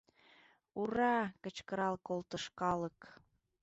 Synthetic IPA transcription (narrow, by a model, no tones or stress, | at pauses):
uɾɑkə̆t͡ɕkə̆ɾɑlkolt̪əʃkɑlək